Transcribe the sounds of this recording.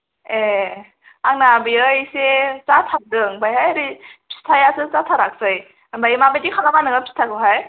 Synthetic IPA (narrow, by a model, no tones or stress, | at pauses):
e | aŋnabiɯjset͡satʰak̚dɯŋbajɦajaɾipʰi̥stʰajasɯt͡satʰaɾak̚sɯj | bajmabajdikʰalamanɯɡapʰi̥tʰaɡɯɦaj